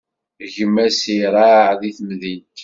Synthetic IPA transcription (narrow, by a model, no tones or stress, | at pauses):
ʝəmːæsiɾˤaʕðiθmðit̪